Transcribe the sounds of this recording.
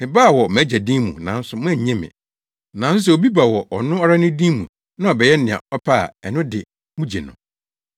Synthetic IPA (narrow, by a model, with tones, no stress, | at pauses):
ɪ˨baː˦˨wɔ˨m˨æ˦d͡ʑæ˨dĩ˦mṵ̃˨nã˨˦n̩˦sʊ˨mʊ̃˦ɛ˨ɲ˨ɲɛ̃˦mɪ̰̃˨ | nã˨n˦sʊ˦s̬ɛ˨o˨bi˦ba˨wɔ˨ʔɔ˨nʊ̃˦ɔ˦ɾa˦nʊ̃˦dĩ˦mṵ̃˨ | nã˦ɔ˨bɛ˨jɛ˦nɪ̃˨a̰˨ɔ˦pʰa˦a̰˨ɛ˨nʊ̃˦dɪ̰˨ | mũ˦d͡ʑe˨nʊ̰̃˨